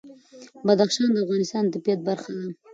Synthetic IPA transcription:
bad̪axʃɑnd̪əafɣɑnɪst̪ɑnt̪apjɑt̪̚baɾxad̪a

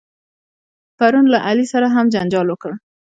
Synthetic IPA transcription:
paɾunlaʔalisaɾaɦamd͡ʒand͡ʒɑlwəkəɽ

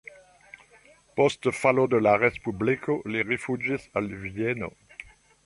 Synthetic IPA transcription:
pɔst̪əfalod̪əlaʁespyblikʰoleʁefyʒisalvjɛno̰

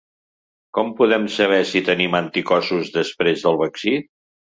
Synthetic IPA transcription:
kɔmpuðɛmsəβ̞ɛsit̪ənimant̪ikɔsuzðəspɾezðəlˠβəksit̪

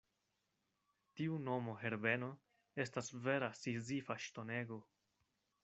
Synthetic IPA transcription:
tiuno̞mo̞ɦe̞ɾbe̞no̞ | e̞stasve̞ɾasizifaʃto̞ne̞ɡo̞

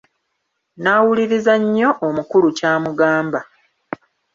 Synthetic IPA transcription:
naːwuliɾizaɲːo̞ʔomukulucaːmuɡaːmba

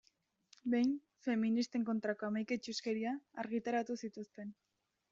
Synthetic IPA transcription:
be̞jn | fe̞minist̪e̞ŋko̞nt̪ɾako̞amajket͡ʃuske̞ɾiaːɾɣit̪aɾat̪usit̪ust̪e̞n

